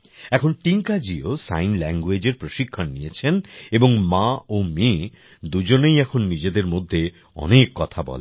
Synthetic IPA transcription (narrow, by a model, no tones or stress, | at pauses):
ɛkʰonʈiŋkad͡ʑiosa̰jnlɛŋɡued͡ʑeɾpɾoʃikʰːanːijet͡ɕʰeneboŋmaome | d̪ud͡ʑonejɛkʰonːid͡ʑed̪eɾmod̪ʱːe | ɔ̰nekːɔt̪ʰabɔ̰le